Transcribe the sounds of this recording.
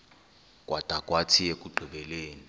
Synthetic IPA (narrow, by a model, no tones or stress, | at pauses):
kʼwʔatʼakʼwatʰijekʼuǃʱiɓɛleːni